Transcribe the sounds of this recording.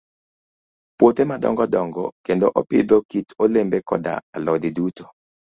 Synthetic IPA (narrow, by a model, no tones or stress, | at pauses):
pwot̪emadɔ̰ŋɡɔdɔŋɡɔkendoʔɔpɪ̰d̪ɔkitolembɛkɔ̰da̰alɔdɪduto